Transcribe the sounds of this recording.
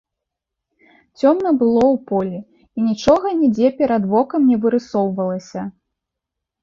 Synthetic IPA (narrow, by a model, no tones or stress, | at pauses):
t͡sʲɔmnɐbɨlˠɔwpɔlʲi | inʲit͡ʂɔɣɐnʲid͡zʲɛpʲɛɾɐd̪vɔkɐmnʲɛvɨɾɨsɔwvɐlˠɐsʲɐ